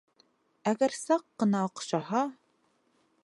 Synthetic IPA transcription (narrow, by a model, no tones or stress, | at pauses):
æɡæɾsɑqːɤ̆nɑoqɕɑɦɑ